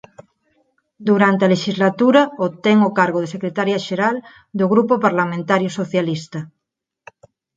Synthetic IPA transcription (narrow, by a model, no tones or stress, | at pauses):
d̪uɾant̪ealeʃizlat̪uɾaot̪eŋokaɾɣoð̞esekɾet̪aɾjaʃeɾal | d̪oɣɾupopaɾlamẽnt̪aɾjosoθjalist̪a